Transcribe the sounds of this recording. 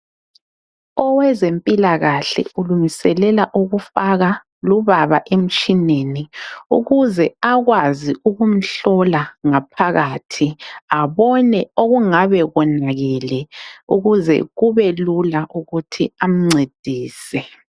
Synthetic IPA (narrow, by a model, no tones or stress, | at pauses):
ɔwɛzempʼilaɣaɬɛ̰uluŋisɛlɛlaʔuɣufaɣa | luβaβaʔem̩t͡ʃʼineniṵɣuzɛaɣwaziuɣum̩ɬɔlaŋapʰaɣatʰiaβɔnɛoɣuŋaβɛɣɔnaɣɛlɛuɣuzɛ̰ɣuβɛlulaʔuɣutʰiam̩ŋ͡ǀed̥ʱiːsɛ